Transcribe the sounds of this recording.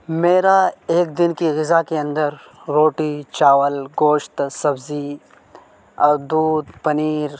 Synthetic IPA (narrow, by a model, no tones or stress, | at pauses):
meːɾaeːk̚d̪ɪnkiɣɪzakeɐ̃nd̪əɾː | oːʈit͡ʃaːwəlɡoːʃt̪sɐbzi | ɐɾd̪uːd̪pɐniːɾ